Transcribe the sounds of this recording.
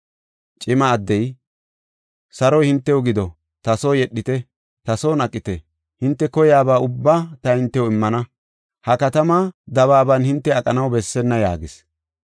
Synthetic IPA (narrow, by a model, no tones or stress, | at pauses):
t͡ʃʼɪmɐːd̪ːɛj | sɐɾɔjhɪnt̪ːɛwʊɡɪd̪ɔ | t̪ɐsoːjɛɗːɪt̪ɛ | t̪ɐsoːnɐkʼːɪt̪ɛ | hɪnt̪ːɛkɔjaːbaːʊbːaːt̪ɐhɪnt̪ːɛwʊɪmːɐnɐ | hɐkɐt̪ɐmad̪ɐβaːbɐnhɪnt̪ːɛɐkʼːɐnɐwbɛsːɛnːɐja̰ːɡɪs